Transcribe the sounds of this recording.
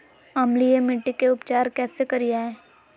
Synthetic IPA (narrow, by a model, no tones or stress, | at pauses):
ɐmlijemɪʈːikeʊpt͡ʃaːɾkɛːsekɐɾijaːɦɛː